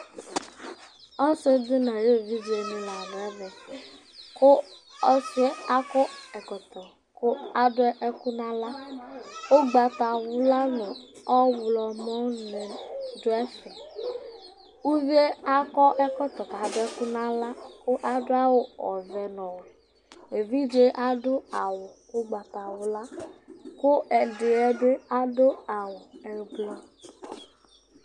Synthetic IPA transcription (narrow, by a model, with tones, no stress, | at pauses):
ɔ˦se˦dʊ˦na˨ɾe˦˨vi˦vi˨˦e˨nʊ̃˨la˨nʊ˨ɛ˦vɛ˨ | kʊ˦ɔ˦sɪ˦e˦a˦kɔ˦ɛ˨kɔ˨t̪ɔ˨ | kʊ˦a˦dʊ˦ʔɛ˦kʊ˦na˦la˦ | o˦ɡ͡ba˨ta˨wʊ˦la˦nʊ˨ɔ˦wʊ˨lɔ˨mɔ˦nɪ˨dʊ˦ɛ˦fɪ˨ | u˦vi˦e˦a˦kɔ˦ʔɛ˦kɔ˦t̪ɔ˨ka˨dʊ˦ɛ˦kʊ˦nã˦la˦kʊ˦ʔa˦dʊ˦a˦wʊ˦ɔ̰˨vɛ˨nɔ˨wʊ˨ | e˨vi˦d͡ʒe˦ʔa˦dʊ˦a˨wʊ˨ | ʊ˦ɡ͡ba˨ta˨wʊ˨la˦kʊ˦ɛ˨dɪ˨ɛ˦dʊ˦a˦dʊ˦a˨wʊ˨ɛ˦ɡ͡blɔ˦